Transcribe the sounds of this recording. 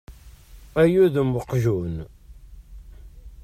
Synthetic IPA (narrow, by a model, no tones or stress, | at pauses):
æjuðəmwəqʒun